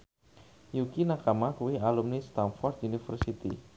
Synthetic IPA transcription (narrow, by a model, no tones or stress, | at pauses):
jukinakamakuwialumnist̪anfɔrd̪unifə̰rsit̪ḭ